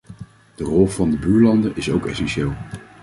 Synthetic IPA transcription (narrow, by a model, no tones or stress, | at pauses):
d̥ərɔlˠvɑndəbyːɹlɑndəʔɪsowkɛsɛnʃɪːlˠ